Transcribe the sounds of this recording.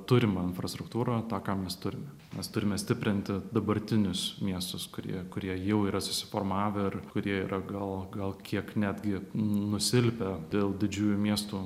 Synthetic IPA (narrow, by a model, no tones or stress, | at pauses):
t̪ʊɾʲɪmɐɪnfɾɐst̪ɾʊkt̪uːɾɐːt̪ɑːkɑːmʲɛst̪ʊɾʲɪmʲɛ | mʲɛst̪ʊɾʲɪmʲɛsʲt̪ʲɪpʲɾʲɪnʲt̪ʲɪd̪ɐbɐɾʲt̪ʲɪnʲʊsmʲiɛst̪ʊskʊɾʲḭɛkʊɾʲiɛjɛʊiːɾɐsʊsʲɪ̥foːrmɑːʋʲɪɪrkʊɾʲiɛiːɾʔɐɡɐlˠɡɐlˠkʲiɛknʲæːd̪ʲɡʲɪnʊsʲɪlʲpʲɛd̪ʲeːlˠd̪ʲɪd͡ʒʲuːjumʲiɛst̪uː